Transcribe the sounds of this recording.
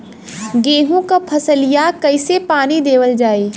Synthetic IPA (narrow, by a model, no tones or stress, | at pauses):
ɡeːɦũkapʰɐsəlijakɐɪsepaːnid̪eːʋəld͡ʒaːeː